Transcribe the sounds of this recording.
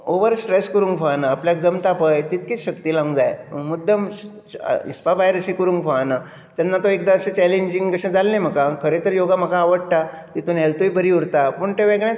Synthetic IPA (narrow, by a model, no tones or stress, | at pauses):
oʋəɾsʈɾeskəɾũːŋkfaanaːpljak̚d͡zəmt̪apəjt̪it̪kit͡sɕək̚t̪ilãŋɡd͡zajmud̪əm̰ | ḭspabajɾəɕĩkəɾũːŋkfaana | t̪janːat̪oek̚d̪aəɕẽt͡ɕɛleɲd͡ʑiŋɡkəɕãd͡zalnẽm̤əkakʰəɾet̪əɾjoɡam̤əkaːʋəɽʈ̪a | t̪it̪unɦɛlt̪ujbəɾiuɽt̪apuɳʈ̪eʋeɡɭẽ